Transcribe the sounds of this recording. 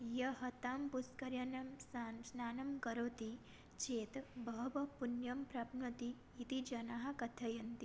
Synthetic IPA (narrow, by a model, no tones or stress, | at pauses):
jɐɦɐt̪aːmpuskɐɾjɐnɐmsansnaːnɐmkɐɾoːt̪i | t͡ʃeːt̪bɐɦɐʋɐpunjɐmpɾabnɐt̪iː | t̪id͡ʒɐnaɦɐ̆kɐt̪ʰɐjɐnt̪i